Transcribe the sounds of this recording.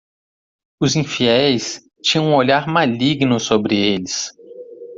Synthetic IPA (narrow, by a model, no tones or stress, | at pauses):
ʊzĩfiɛjs | t͡ʃĩɲɐ̃ũoʎaɾmaliɡnʊsobɾɪelɪs